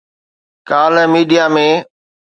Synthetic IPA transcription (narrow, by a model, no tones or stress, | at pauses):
kaːləmiːɖijamẽː